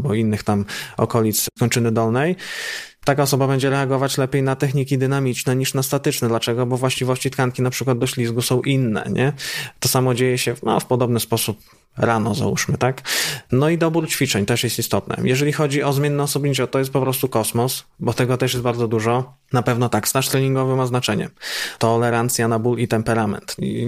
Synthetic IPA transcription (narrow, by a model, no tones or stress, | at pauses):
bɔinːɘxt̪amɔ̰kɔlʲit̪skɔɲt͡ʂɘnɘd̪ɔlnɛjt̪akaɔsɔbabɛɲd͡ʑɛɾɛaɡɔvat͡ɕlɛpʲjejnat̪ɛxɲikʲid̪ɘnamʲit͡ʂnɛɲiʂnast̪at̪ɘt͡ʂnɛd̪lat͡ʂɛɡɔbɔvwaɕt͡ɕivɔɕt͡ɕit̪kaŋkʲinapʂɘkwad̪̚d̪ɔɕlʲizɡusɔ̃w̃ʔinːɛ̰ɲʔɛt̪ɔsamɔd͡ʑejɛɕɛma̰fpɔd̪ɔbnɘspɔsup̚ | ɾanɔza̰ṵʂmɘt̪aknɔid̪ɔbuɾt͡ɕfʲit͡ʂɛɲt̪ɛʂjɛst̪ist̪ɔt̪nɛ̰jɛʐɛlʲixɔd͡ʑiɔzmʲeɛnːɛɔsɔbɲʲit͡ɕɛt̪ɔjɛst̪̚pɔpɾɔst̪ukɔsmɔsbɔt̪ɛɡɔt̪ɛʂ̬jɛsbaɾd̪zɔd̪uʐɔ | napɛvnɔt̪akst̪aʂt̪ɾɛɲiŋɡɔvɘmaznat͡ʂɛɲɛ̰t̪ɔlɛɾant̪sʲjanabulit̪ɛmpɛɾamɛ̰nt̪ḭ